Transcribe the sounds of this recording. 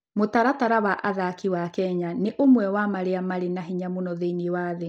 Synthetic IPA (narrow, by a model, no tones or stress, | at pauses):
motaɾataɾawaʔaðakiwakɛɲaneʔomwɛwamaɾeamaɾenaɦiɲamonɔðeiniwaːðe